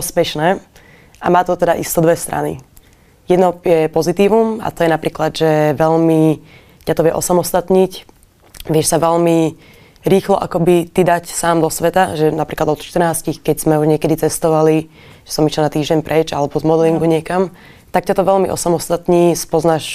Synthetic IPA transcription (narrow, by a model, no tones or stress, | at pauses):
ɔspɛʃnɛː | amaːt̪ɔt̪ɛd̪aʔist̪ɔd̪ʋɛst̪ɾʔa̰nḭ | jɛd̪nɔjɛpɔzit̪iːʋuma̰t̪ɔjɛnapɾiːklad̪ʒɛʋɛʎmi | cat̪ɔʋɪɛ̰ʔɔsamɔst̪at̪ɲic | ʋɪɛʃsaʋɛlmi | ɾiːxlɔʔa̰kɔbit̪id̪acsaːmd̪ɔsʋɛt̪aʒɛnapɾiːklad̪ɔt̪ʃt̪ərnaːscixkɛɟz̥mɛuʒɲɪɛkɛd̪it͡sɛst̪ɔʋali | ʒɛ̥sɔmit͡ʃɔnat̪iːʒɟɛnpɾʔɛd͡ʒalɛbɔzmɔd̪liŋkuɲɪɛkam | t̪akcat̪ɔʋɛlmiʔɔ̰samɔst̪at̪ɲiːspɔznaʃ